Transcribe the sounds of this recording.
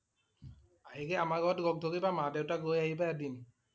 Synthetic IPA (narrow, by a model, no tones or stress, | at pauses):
aɦikɛamaɡɔtɡɔɡ̚dʱokibamadewtaɡojaɦibaɛdin